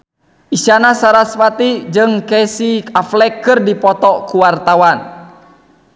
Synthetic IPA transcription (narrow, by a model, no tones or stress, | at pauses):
ʔisanasaɾaspat̪id͡ʒɨŋkɛsikaflɛkːɨrdipɔt̪ɔkuwart̪awan